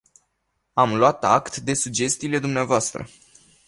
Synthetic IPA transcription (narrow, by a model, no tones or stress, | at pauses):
amloat̪a̰kt̪d̪e̞suɡd͡ʒe̞st̪iːle̞d̪umneavoast̪ɾə̰